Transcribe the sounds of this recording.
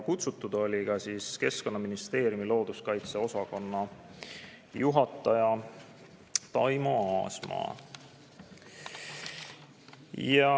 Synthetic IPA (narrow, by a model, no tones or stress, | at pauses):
kut̪sut̪ːˑud̪̥o̞lʲikɑsiːske̞sko̞nːɑminist̪e̞ːɾjumilo̞ːd̪̥uskɑjt̪seo̞sɑko̞nːɑ | juɦɑt̪ːˑɑjɑ | t̪ɑjmuɑːsmɑ̰ː | jɑ